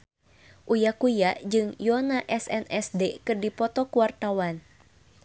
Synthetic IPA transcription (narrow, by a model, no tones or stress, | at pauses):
ʔujakujaʔd͡ʒɨŋjɔnaʔɛsɛnɛsdekɨrdipɔt̪ɔkuwart̪awan